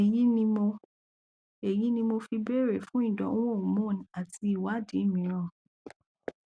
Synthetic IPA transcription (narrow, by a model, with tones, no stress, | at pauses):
e˨ji˦nĩ˧mo˧ | e˨ji˨˦nĩ˧mo˧fi˧bɛ˦˨ɾe˦˨fũ˦ĩ˦˨dɔ̰̃˨˦o˦˨mõ˦˨n̩˨a˨ti˧˦i˨wa˨˦dĩ˨˦˨mĩ˨˦ɾ̃ã˦˨